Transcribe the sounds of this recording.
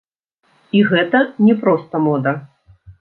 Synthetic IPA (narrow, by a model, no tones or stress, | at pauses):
iɣɛt̪ɐnʲɛpɾɔst̪ɐmɔd̪ɐ